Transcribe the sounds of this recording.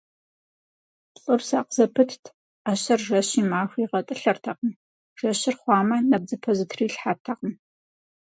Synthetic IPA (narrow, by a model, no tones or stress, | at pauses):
ɬʼɨrsa̰ːqz̥ɐpʰɨtʰtʰ | aɕɐrʒɐɕiːmaːxʷiːʁɐtʼɨɬɐrtʰɐqəm | ʒ̥ɐɕɪrχʷɑːmɐnɐb̚d͡zɨpʰozɨtʰriːɬħartʰɐqəm